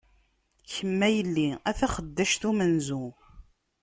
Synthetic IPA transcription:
çəmːæjəlːiæθæχəd̪ːæʃt̪umənzu

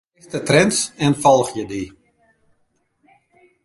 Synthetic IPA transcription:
ɛxtətrɛnsɛnfɔlˠxjədi

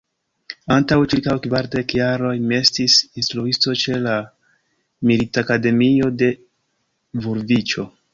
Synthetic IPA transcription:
antawt͡ʃiɾkawkvaɾde̞kjaɾo̞jme̞stisinstɾuisto̞t͡ʃe̞la | militakade̞mio̞de̞ | vuɾvit͡ʃo̞

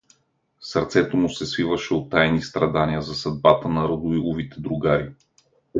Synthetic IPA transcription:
sɐɾt̪sɛt̪omusɛsvivəʃɛot̪ːajnist̪ɾɐd̪aniəzɐsɐd̪̚bat̪ənɐɾod̪ʊilˠovit̪ɛd̪ɾʊɡaɾi

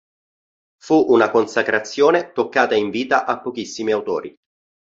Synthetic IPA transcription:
fuʔunakonsakɾat̪sːjoːnet̪okːaːt̪aiɱviːt̪aʔapːok̟isːimiawt̪o̰ːɾḭ

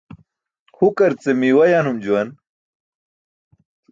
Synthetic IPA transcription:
hukɐɾt͡semiwɐjaːnhumd͡ʑuwɐn

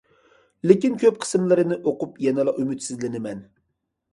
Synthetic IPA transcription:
lɪkʲinkʲʰøp̚qʰə̥sɨmlˠɨɾɨnɨʔoqupjɛnɨlˠɑʔymyt̪sɪzlɪnɪmɛn

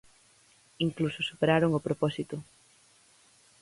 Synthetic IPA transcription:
iŋklusʊsu̥peɾaɾoŋopɾopɔsit̪ʊ

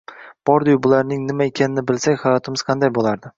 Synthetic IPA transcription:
b̥ɒɾd̪ʊjbʊlaɾnɪŋnɪmaekʲʰanɪnɪbɪlsakʲχajɒt̪ʰɪmɪz̥qʰɑnd̪ajbolˠaɾd̪ɪ

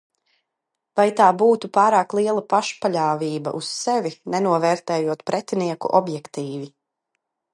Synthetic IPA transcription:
vajt̪aːbuːt̪upaːɾaːklˠiɛlˠapaʃpaʎaːviːba̰ʔussɛvinɛnuɔvɛːɾt̪ɛːjuɔt̪pɾʔɛt̪iniɛkṵʔɔbjɛkt̪iːvi

